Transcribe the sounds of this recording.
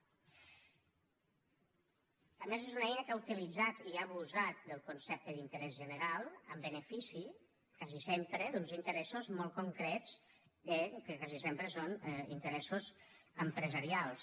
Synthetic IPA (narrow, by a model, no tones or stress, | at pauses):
əmezezunəɛjnəkaut̪ilid͡zat̪iaβuzat̪̚d̪əlˠkunsɛp̚t̪əðint̪əɾɛzʒənəɾalˠə̰mbənəfisi | kazisempɾəd̪unzint̪əɾɛsuzmɔlˠkuŋkɾɛzəkəkazisempɾəsonḭnt̪əɾɛsuzəmpɾəzəɾialˠs